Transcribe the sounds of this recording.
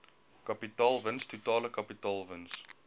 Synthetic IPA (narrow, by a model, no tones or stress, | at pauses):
kapitɑːlˠvənstutɑːləkapitɑːlˠvəns